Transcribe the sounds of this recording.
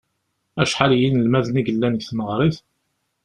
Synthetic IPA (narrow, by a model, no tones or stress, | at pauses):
æʃħaljinəlmæðniɡəlːænɡθməʁɾˤiθ